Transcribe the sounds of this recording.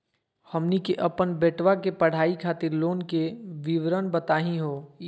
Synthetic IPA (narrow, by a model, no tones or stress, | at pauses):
hɐmnikeʔɐpənbeːʈʋakepɐɽ̤aːikʰaːt̪ɪɾloːnkeʋɪʋɾənbɐt̪aːɦĩɦoː